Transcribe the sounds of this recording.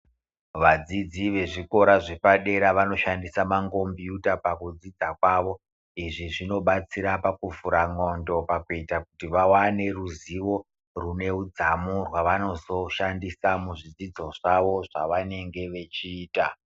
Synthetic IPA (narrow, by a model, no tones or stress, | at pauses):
ʋad͡zid͡ziʋe̞ʐiko̞ɾaʐepaɗe̞ɾaʋano̞ʃandisamaŋɡo̞mbjutapakud͡zid͡zakwaʋo̞ | iʐiʐino̞ɓat͡siɾapakuvuɾaŋo̞ndo̞pakuitakutiʋawane̞ruziʋo̞ | rune̞ud͡zamurwaʋano̞zo̞ʃandisamuʐid͡zid͡zo̞ʐ̥aʋo̞ʐaʋane̞ŋɡe̞ʋe̞t͡ʃiːta